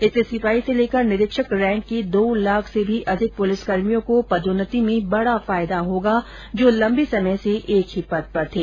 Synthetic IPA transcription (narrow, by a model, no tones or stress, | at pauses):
ɪsesɪfaːiseleːkəɾnɪɾɪkʃəkɾɛ̃ːɳʈ̚kid̪oːlaːkʰsebʱiʔɐd̪ʱɪk̚pʊlɪskɐɾmijõkopɐd̪onət̪imẽbɐɽafaːɪd̪aɦoːɡa | d͡ʒoːlɐ̃mbisɐməjseʔeːkɦipɐt̪̚pɐɾt̪ʰeː